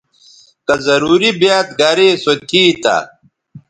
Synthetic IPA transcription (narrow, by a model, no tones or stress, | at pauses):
kɐzɐɾuːɾibjaːt̪̚ɡɐɾeːsot̪ʰiːt̪a̰